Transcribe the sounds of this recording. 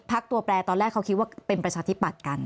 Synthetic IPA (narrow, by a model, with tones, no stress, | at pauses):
pʰa˦˥k̚t̪u˧ɐplɛː˧t̪ɔː˧nlɛː˥˩kʰːa˦˥wkʰi˦˥waː˥˩pe˧npɾa˧t͡ɕʰaː˧t̪ʰi˦˥pa˨˩t̪̚ka˧n